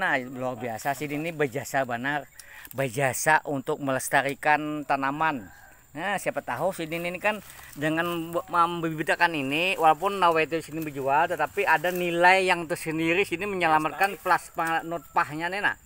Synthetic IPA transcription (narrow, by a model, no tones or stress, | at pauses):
nahbəluarbiasasininibəd͡ʒasabanarbəd͡ʒasaʔunt̪ʊk̚mələst̪aɾikant̪anaman | əsajapət̪aɦusinininikandəŋanambəbibid̪akaniniwalap̬ʊnːawet̪̬eisinibəd͡ʒualt̪ət̪apiadanilajjaŋt̪ərsəndiɾisiniməɲalamat̪̚kanplaspanɔt̪̚paɦɲanina̰h